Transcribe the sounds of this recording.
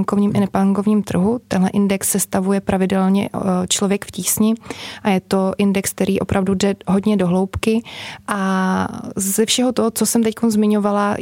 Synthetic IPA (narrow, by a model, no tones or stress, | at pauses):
ŋkovɲiːmʔɪnɛpaŋko̞vɲiːmt̪r̩ɦut̪ɛnɦlɛʔɪndɛksːɛst̪avujɛpɾʔavɪdɛlɲɛ̰t͡ʃlovjɛkfciːsɲɪʔajɛt̪o̞ʔɪndɛksk̚t̪ɛɾʔiːʔo̞̰pɾʔavdudɛɦo̞dɲɛdo̞ɦlo̞wpkɪʔa | zɛfʃɛɦo̞t̪oɦot͡sosɛmt̪ɛckonzmɪɲo̞vala